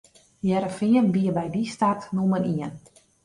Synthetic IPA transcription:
jɛɾəfiənʋiəʋɛjdistartnuməniən

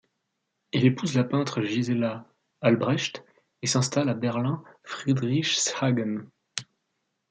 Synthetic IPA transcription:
ilepuzlapɛ̃t̪χəʒizelaː | lbʁɛʃt̪ | esɛ̃st̪alabɛʁlɛ̃fχid̪ʁiʃsaɡən

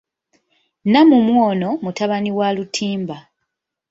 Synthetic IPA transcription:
namumwoːno̞mutaβaniwalutʰiːmba

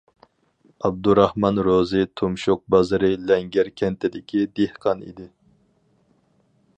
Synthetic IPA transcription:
ɑb̚d̪uɾɑhmɑnɾozɪt̪ʰomʃoq̚bɑzɨɾɨlɛŋɡʲæɾkʲʰɛnt̪ʰɪd̪ɪkʲʰid̪ehqʰɑnḭd̪ɪ

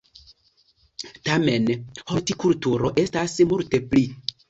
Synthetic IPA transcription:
tame̞nhoɾtikultuɾo̞ʔe̞stasmulte̞pli

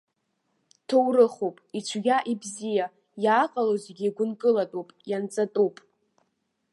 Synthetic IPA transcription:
tʰowɾɨχowpʼit͡ʃʷʰɡʲaʔibzija | jaːqʼalozeɡʲiɡʷʊnkʼɨlatʼopʼjant͡sʼatʼupʼ

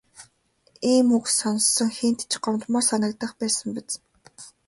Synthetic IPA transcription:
iːmuksɔnsːɞ̆ŋxen̥t̪t͡ɕɢɔmt̪mɔːrsanə̆kt̪ə̆χpæːsə̆mpĕt͡s

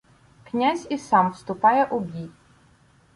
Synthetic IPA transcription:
knʲazʲisɑmwst̪ʊpɑjɛʔʊbʲi

